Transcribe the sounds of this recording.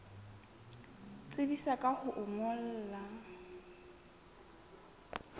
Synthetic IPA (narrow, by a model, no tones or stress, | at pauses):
t͡sʼɪbisakʼahʊʔʊmɔl̩ːla